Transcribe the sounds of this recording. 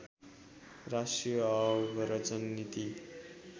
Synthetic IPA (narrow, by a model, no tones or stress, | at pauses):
rasʈrijʌbɾʌt͡sʌnːit̪i